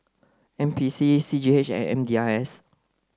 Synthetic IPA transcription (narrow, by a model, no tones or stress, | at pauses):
ɛ̃mpʰisisid͡ʒiet͡ʃɛ̰̃nɛ̰̃mdiaɛs